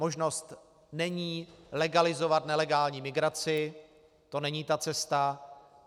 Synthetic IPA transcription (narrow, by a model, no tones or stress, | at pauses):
o̞ʒno̞st̪ | nɛɲiːlɛɡalɪzo̞vat̪nɛlɛɡaːlɲiːmɪɡɾat͡sɪ | t̪o̞nɛɲiːt̪at͡sɛst̪a